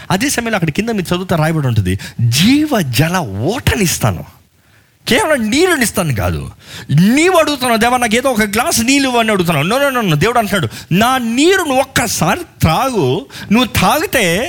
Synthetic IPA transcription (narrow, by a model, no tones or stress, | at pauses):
ɐd̪eːsɐmɐjɐloɐkːɐɽɐkind̪ɐmiːɾut͡ʃɐd̪uːt̪aɾaːjɐbɐːɽuɳʈ̬und̪ḭd͡ʒiːʋɐd͡ʒɛlɐɔːʈɐnist̪a̰ːnṵ | kɛːʋɐlɐmniːlunist̪aːnuɡa̰ːd̪ṵniːʋɐɽuɡut̪̬unːad̪ɛːʋɐnaːk̬eːd̪oːɔkɐɡlaːsniːluʋɐniɐɽuɡut̪̬unːaːnoːnoːnoːod̪eːʋuɽuɐnʈnaːɽunaːniːɾunuʋɔkːɐsaːɾit̪ʰɾaːɡunuʋːut̪ʰaːɡut̪e̞ː